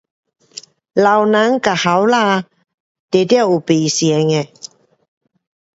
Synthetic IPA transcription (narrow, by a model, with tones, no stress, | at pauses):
la˨wnã˨˦ŋka˨ha˨˦wla˥˧ | t̪e˨t̪ja˥˧˨wu˨˩pi˨sjɛ˨ŋẽ˨